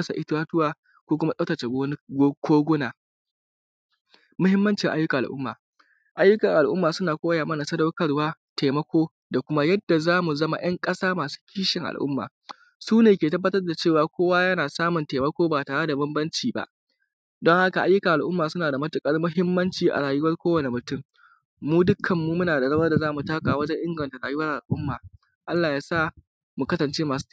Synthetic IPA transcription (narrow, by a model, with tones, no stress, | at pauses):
sa˨ʔɪ˦twaː˦tʊ˦waː˨ | kʷoː˦kʷʊ˦ma˦ɗɐ˦tɐ˨t͡ʃe˨ɡɡoː˦ɡʷʊ˦naː˨ | mʊ˦ɦɪ˦mːɐ˦nt͡ʃɪ˨ŋʔa˦jːʊ˦ka˨ʔa̰˨ʔʊ̰˦mːaː˨ | ʔa˦jːʊ˦kɐ˨ŋʔa˨lʔʊ˦mːaː˨sʊ˦naː˨kʷʼoː˦jaː˨mɐ˦na˨sɐ˦dɐ˦wkɐ˦ɽwaː˦teː˨mɐ˦kʷoː˦ | da˨kʷʊ˦ma˦jɐ˦dːa˨zaː˦mu˨zɐ˦ma̰˨j̰ɐ˦ŋkʼɐ˦saː˦maː˨su̥˦kʲiː˦ʃɪ˨ŋʔa̰˨lʔʊ̰˦mːa̰ː˨ | suː˦neː˨kʲeː˨tɐ˦bːɐ˦tɐ˦rda˨t͡ʃeː˦˨waː˨kʷoː˦waː˦jɐ˦naː˨saː˦mʊ˨nteː˨mɐ˦kʷoː˦baː˨taː˨ɽe˦da˨bɐ˦mbɐ˦nt͡ʃiː˨ba̰˦ʔ | dɔ˦ŋha˦ka˨ʔa˦jːʊ˦ka˨ʔa˨lʔʊ˦mːaː˨sʊ˦naː˨da˨mɐ˦tʊ˨kʼɐ˦rmʊ˦ɦɪ˦mːɐ˦nt͡ʃiː˨ʔa̰˨ɽaː˨jʊ˦wɐ˦rkʷoː˦wɐ˨ne˨mʊ˨tʊ˦mː | uː˦dʊ˦kʰːɐ˨mːuː˦mʊ˦naː˨da˨ɾɐ˦mɐ˦rda˨zaː˦mu˨taː˦kaː˨wɐ˦d͡ʒɛ˦ŋʔɪ˦ŋɡɐ˨nta˨ɽaː˨jʊ˦wɐ˦rʔa̰˨lʔʊ˦mːaː˨ | ʔa˦lːaː˨jaː˦sa˦˨ | mu˨kɐ˦sɐ˨nt͡ʃeː˦maː˨s